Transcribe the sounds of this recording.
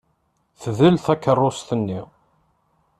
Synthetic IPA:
θðəlθækːərˤːost̪ənːi

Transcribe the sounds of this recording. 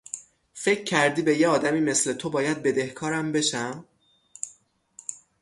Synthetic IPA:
fe̞cʰcʰːæɾd̪iːbe̞jeɒːd̪æmiːme̞sle̞t̪ʰo̞bɒːjæd̪̚be̞d̪e̞hkʰɒːɾæmbe̞ʃæm

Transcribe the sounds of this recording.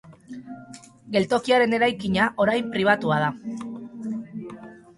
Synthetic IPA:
ɡe̞lt̪o̞kiaɾe̞ne̞ɾajkiɲaʔo̞ɾajmpɾiβ̞at̪uað̞a

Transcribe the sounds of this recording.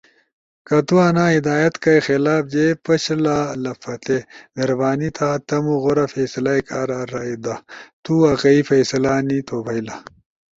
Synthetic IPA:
kɐt̪uɐnaːid̪aːjɐt̪kɐjxelaːb̚d͡ʑepɐɕlalɐfɐt̪emeɾɐbaːnit̪ʰaːt̪ɐmuɣoɾɐfeːsɐlajkaːɾaɾaid̪at̪uɐqɐifɐjsɐlaːnit̪oːbɐjla

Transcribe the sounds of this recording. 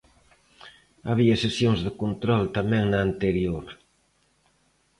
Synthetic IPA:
aβ̞iɐsesjoŋzðɪkont̪ɾɔlt̪amɛ̃ŋnɐːnt̪eɾjoɾ

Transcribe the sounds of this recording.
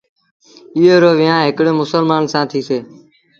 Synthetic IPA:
ɪːɦoːɾoːʋɪːjãːɦɪkɽẽːmʊsəlmaːnsãːt̪ʰiːseː

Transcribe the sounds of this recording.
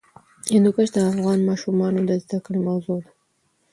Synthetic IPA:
ɪnd̪ukaʃd̪əafɣɑnmɑʃumɑnod̪əzd̪akəɽimawzod̪a

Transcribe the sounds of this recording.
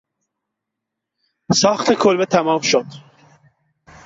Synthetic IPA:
sɑːxt̪ʰekʰolbet̪ʰæmɑːmʃod̪̥

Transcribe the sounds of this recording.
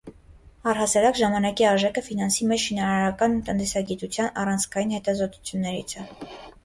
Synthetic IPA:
ɑrɦɑsɑɾɑkʒɑmɑnɑkiɑɾʒɛkʰəfinɑnsimɛt͡ʃʃinɑɾɑɾɑkɑnt̪ənt̪ɛsɑɡit̪ut͡sʰjɑnɑ̰rɑnt͡sʰkʰɑjinhɛt̪ɑzɔt̪u̥t͡sʰjunːɛɾḭt͡sʰə

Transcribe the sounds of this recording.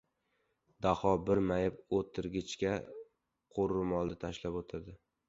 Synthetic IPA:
d̪ahɒbɪɾmajɪpot̪ʰːɪɾɡʲɪt͡ʃkʲa | qʰoɾɪmɒlˠd̪at̪ʰaʃlapot̪ʰad̪ɪ

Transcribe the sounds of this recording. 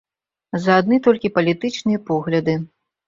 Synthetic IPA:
zɐad̪nɨt̪ɔlʲkʲipɐlʲit̪ɨt͡ʂnɨjɐpɔɣlʲɐd̪ɨ

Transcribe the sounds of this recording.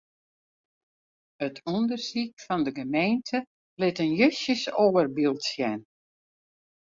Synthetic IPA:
ətʰundərsik̚fɔndəɡəmejntʰə | lɪtənjøsjəsoːərbilˠtsjɛn

